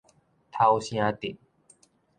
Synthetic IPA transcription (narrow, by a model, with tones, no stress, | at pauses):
t̪ʰa˨˦wɕj̃ã˦t̪i˨˩˦n